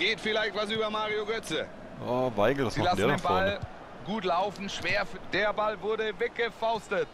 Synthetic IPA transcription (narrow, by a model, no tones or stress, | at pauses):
ɡ̥eːtfɪlaɪçtv̥as̬yːbɐmaːʁioɡœt͡sə | avaɪɡl̩dasilasdeːdaefmbɔɐl | ɡuːtlaʊfn̩ʃv̥eːɐfd̥eːɐbalvʊɐdəvɛk̚ɡ̥əfaʊstət